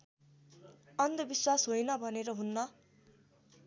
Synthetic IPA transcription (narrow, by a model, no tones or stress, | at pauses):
ʌnd̪ʌbiswasɦojnʌbʱʌneɾʌɦunːʌ